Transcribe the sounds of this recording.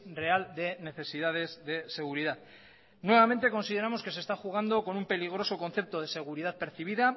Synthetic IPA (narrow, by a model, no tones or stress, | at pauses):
re̞ald̪e̞ne̞θe̞siðað̞e̞zðe̞se̞ɣ̞uɾiðað | nwe̞βamẽ̞nt̪e̞ko̞nsiðe̞ɾamo̞ske̞sest̪axuɣ̞and̪o̞ko̞numpe̞liɣ̞ɾo̞so̞ko̞n̟θe̞p̚t̪o̞ð̞e̞se̞ɣ̞uɾiðað̚pe̞ɾθiβ̞iða